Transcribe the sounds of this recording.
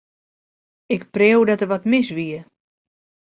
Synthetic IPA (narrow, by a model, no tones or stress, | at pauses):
ɪkprewdɔtəʋɔtmɪsʋiə